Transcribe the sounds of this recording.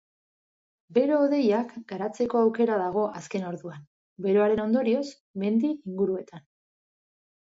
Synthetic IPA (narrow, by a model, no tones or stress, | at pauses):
be̞ɾoːðe̞jakɡaɾat͡se̞ko̞awke̞ɾaðaɣ̞o̞ʔaske̞no̞ɾðuan | be̞ɾoaɾe̞no̞nd̪o̞ɾio̞s | me̞nd̪iiŋɡuɾue̞t̪an